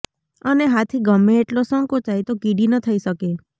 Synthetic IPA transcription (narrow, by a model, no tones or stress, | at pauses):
əneɦat̪ʰiɡəmeːʈlosəŋkot͡ʃait̪okiɽinət̪ʰəiʃəke